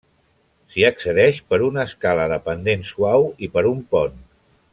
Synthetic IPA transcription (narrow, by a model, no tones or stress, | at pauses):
siəksəðɛʃpəɾunəskaləðəpənd̪ensuawipəɾumpɔn